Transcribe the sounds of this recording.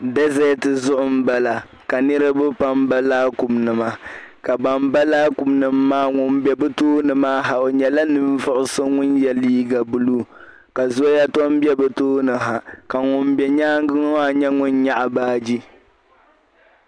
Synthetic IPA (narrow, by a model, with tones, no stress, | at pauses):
dɛ˦zɛ˦tɨ˨zʊ˦ʔʊ˦m̩˦ba˦la˨ | ka˨nɨ˦ɾɨ˦bɨ˦pa˦mba˦laː˦ku˨mnɨ˨ma˨ka˨ba˨mba˦laː˦ku˨mnɨ˨mːaː˦ŋʊ˨mbɛ˨bɨ˦toː˦nɨ˨maː˦ɦa˨o˨ɲɛ˨la˦nɨ˦ɱ˦vʊ˦ʔʊ˦sɨ˦ŋʊ˦njɛ˨liː˦ɡa˨bu˦luː˦ | ka˨zo˦ja˦tɔ˦m˦bɛ˦bɨ˨toː˦nɨ˨ɦa˨ka˨ŋʊ˨mbɛ˨ɲaː˦ŋ˦ɡɨ˦ŋ˦a˦˨ɲɛ˦ŋʊ˦nɲa˦ʔa˨baː˦d͡ʒi˦